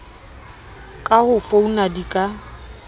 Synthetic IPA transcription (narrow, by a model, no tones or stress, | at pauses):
kʼahʊfounadikʼa